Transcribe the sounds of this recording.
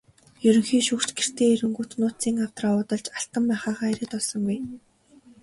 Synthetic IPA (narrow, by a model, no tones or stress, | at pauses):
jɵɾɵ̆ŋxiːʃuːkt͡ɕɡer̥t̪eːeɾɘ̆ŋɡut̪nʊːt͡siːŋaw̥t̪raːʊːt̪ɞ̆ɮt͡ɕaɬt̪ə̆mpæːχaːʁaːeɾĕkt̪ɔɮsɞ̆ŋɡuj